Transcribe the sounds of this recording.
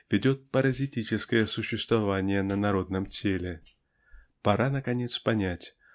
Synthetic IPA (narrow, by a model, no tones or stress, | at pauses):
vʲɪdʲo̞t̪̚pəɾɐzʲɪtʲit͡ɕɪskəjəsʊɕːɪst̪vɐvanʲɪjənənɐɾo̞d̪̚nəmtʲelʲɪ | pɐɾʔanəkɐnʲe̞t̪spɐnʲætʲ